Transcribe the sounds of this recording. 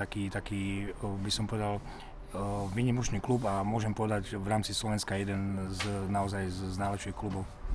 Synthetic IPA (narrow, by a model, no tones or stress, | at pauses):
akiːt̪akiːbisɔmpɔʋɛd̪al | ʋiːɲimɔt͡ʃniːklubamʊɔʒɛmpɔʋɛd̪aɟʋɾaːmt͡sislɔʋɛnskajɛd̪ɛnznaɔzajzznaːlɛpʃiːxklubɔʊ